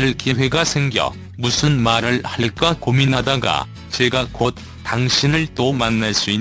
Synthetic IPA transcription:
ɾɯɭkiwe̞ɡasʰeŋɡjʌ̰ | musʰɯnmaɾɯɭhak͈akominɦadaɡa̰ | t͡ɕe̞ɡakot̚ | taŋɕʰinɯɭt͈omanːaɭs͈ui

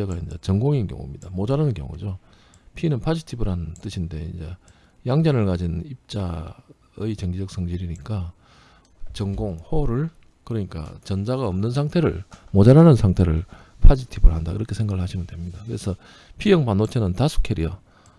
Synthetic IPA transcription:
eɡaind͡ʑḛt͡ɕʌŋɡoŋinkjʌ̰ŋṵmɲidamod͡ʑaɾanɯnkjʌ̰ŋṵd͡ʑo | pʰinɯnpʰad͡ʑitʰibɯɾɦanɯnt͈ɯɕʰinde̞ḭnd͡ʑe̞ | jaŋd͡ʑanɯɭkad͡ʑinip̚t͡ɕ͈a | ɯit͡ɕʌŋɡid͡ʑʌk̚s͈ʰʌŋd͡ʑiɾiɲik͈a | t͡ɕʌŋɡoŋhoɾɯɭ | kɯɾʌɲik͈a̰t͡ɕʌnd͡ʑaɣaʌmnɯnsʰaŋtʰe̞ɾɯ̰ɭmod͡ʑaɾanɯnsʰaŋtʰe̞ɾɯɭ | pʰad͡ʑitʰibɯɭhandaḭɾʌkʰe̞sʰe̞ŋɡaɡɯɭhaɕʰimɯndwemɲidakɯɾe̞sʰʌ | pʰijʌŋpanot͡ɕʰenɯntasʰu̥kʰeɾḭjʌ

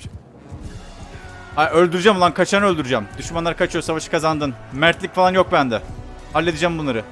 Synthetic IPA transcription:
aølʲd̪yɾyd͡ʒamolˠankʰat͡ʃʰanø̞lʲd̪yɾyd͡ʒɛmd̪yʃmanlˠaɾɯkʰat͡ʃʰɯjosavaʃɯ̥kazand̪ɯnmæɾt̪lʲicʲfalˠanjo̞k̚bænd̪ɛ | alʲːed̪id͡ʒɛæːmbunlˠaɾɯ

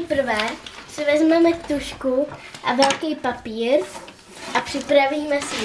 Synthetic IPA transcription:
ɛpr̩vɛsɪvɛzmɛmɛt̪uʃkuʔavɛlkɛjpapiːɾ | ʔapr̥ɪpɾaviːmɛsɪ

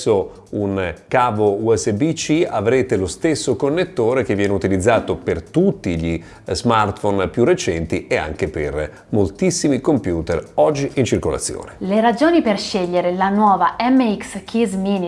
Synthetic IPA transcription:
sːo | unkaːvouɛsːebit͡ʃiavɾeːt̪elost̪esːokonːet̪ːoːɾek̟evːjɛːneut̪ilid̪zːaːt̪opert̪ut̪ːiʎi | zmart̪fonpjurːet͡ʃɛnt̪iea̰ŋk̟eper | molt̪isːimikompjuːt̪erɔd͡ʒːiʔint͡ʃirkola̰t̪sːjo̰ːneleɾad͡ʒoːniperʃeʎːeɾelanwɔːvaʔɛmːeikskʰizmin

